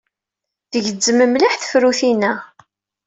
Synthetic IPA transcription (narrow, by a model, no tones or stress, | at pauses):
ðəʝəd͡zːəməmliħθə̥fɾuθinæ